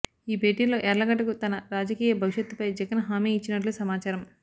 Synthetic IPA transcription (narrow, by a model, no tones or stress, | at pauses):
iːbʱe̞ːʈiːnlo̞ːʔɛɾlɐɡɐʈːɐkut̪ɐnɐɾaːd͡ʒɐkiːjɐbʱɐʋiʃɐt̪ːupɐjd͡ʒɐɡɐnɦaːmiːit͡ʃːinɐʈ̬lusɐmaːt͡ʃaːɾɐm